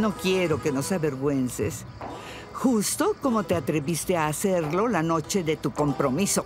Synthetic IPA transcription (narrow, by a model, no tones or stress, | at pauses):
no̞kje̞ɾo̞ke̞no̞saβe̞ɾɣwe̞nses | xust̪o̞ko̞mo̞t̪eat̪ɾe̞βist̪eaːseɾlo̞lano̞t͡ʃe̞ðe̞t̪uko̞mpɾo̞miso̞